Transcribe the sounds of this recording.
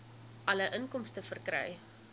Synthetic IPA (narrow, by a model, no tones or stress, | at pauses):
ʔɐləʔənkɔmstəfərkrœ̰j